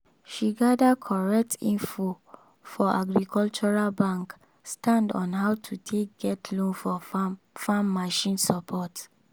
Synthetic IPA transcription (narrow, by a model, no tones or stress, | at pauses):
ʃiɡadakʰɔɹɛk̚tʰĩnfo | fɔʔa̰ɡɹikʰɔlt͡ʃɔɹalbãŋk | stãndɔ̰̃nɦaʊtʰutʰek̚ɡɛtʰlõnfɔ | fãmːaʃĩnsɔpʰɔt